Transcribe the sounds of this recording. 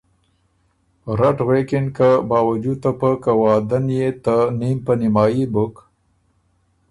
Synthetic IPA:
ɾaʈwekɪnkəbɑːwad͡ʒut̪əpəkəwɑd̪anjet̪ənimpənɪmɑːjibuk

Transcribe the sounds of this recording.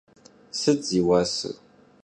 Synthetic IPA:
sɨd͡ziwasɨ̰

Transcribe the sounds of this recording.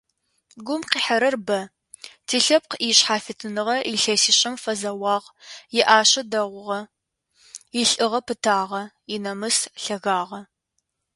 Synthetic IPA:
ɡʷʊmqiːħɐɾɐrbɐ | tʰiːɬɐp̚qiɕħaːfɪtʰɨnɨʁɐʔiɬɐsiːɕʼɪmfɐzɐwɑːʁjɪʔaːɕɐdɐʁʷʊʁɐ | jɪɬʼɨʁɐpʰɨtʰaːʁɐ | ɪnɐmɨsɬɐɣaːʁɐ

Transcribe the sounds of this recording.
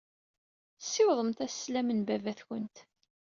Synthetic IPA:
sːɪwðˤəmt̪æsːlæmənbævæθçə̰nt̪

